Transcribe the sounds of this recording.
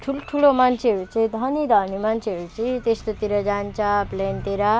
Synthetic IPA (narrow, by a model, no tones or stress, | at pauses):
ʈʰulʈʰulomant͡sʰeʌɾut͡sʌĩd̪ʱʌnid̪ʱʌnimant͡sʰeʌɾut͡sʌt̪est̪ot̪iɾʌd͡zant͡sʰʌplent̪eɾʌ